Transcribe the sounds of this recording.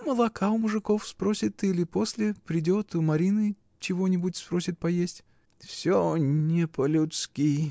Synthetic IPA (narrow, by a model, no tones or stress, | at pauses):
məlˠɐkʰaʊmʊʐɨko̞fspɾosʲɪt̪ːɨilʲɪposʲlʲɪpɾʲɪdʲo̞t̪ʊmɐɾʲinɨ | t͡ɕɪvo̞nʲɪbʊtʲspɾo̞sʲɪt̪̚pɐjesʲtʲ | fsʲonʲepəlʲʊt̪skʲi